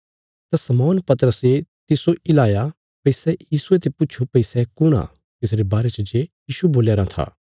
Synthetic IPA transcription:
t̪asɐmɔːnpɐt̪əɾəset̪ɪsoʔɪlaːja | pɐɪsɛjiːsuet̪ʰepʊːt͡ʃʰupɐisɛkʊɽ̃a̰ | t̪ɪsɾebaːɾɛt͡ʃd͡ʒejiːʃuboːljaːɾat̪ʰa̰ː

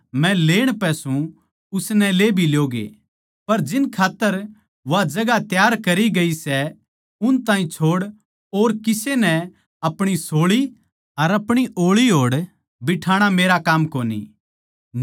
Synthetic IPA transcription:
mɛ̃leːɽ̃pɛsũ | ʊsnɛleːbʱiljoːɡḛː | pɐɾd͡ʒɪnkʰaːt̪ːəɾ | ʋad͡ʒɐɡat̪jaːɾkɐɾiɡɐisɛ | ʊnt̪ãːĩt͡ʃʰoːɽ | oːɾkɪsenɛ | ɐpɽ̃isoːɭi | ɐɾɐpɽ̃iʔoːɭiɦoːɽ | bɪʈʰaːɽ̃ameːɾakaːmkoːnḭ

